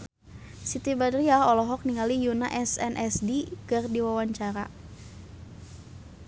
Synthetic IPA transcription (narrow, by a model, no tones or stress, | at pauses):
sit̪ibadɾiaɦɔlɔɦɔk̚niŋalijunaʔɛsɛnʔɛsdikɨrdiwawaɲt͡ʃaɾa̰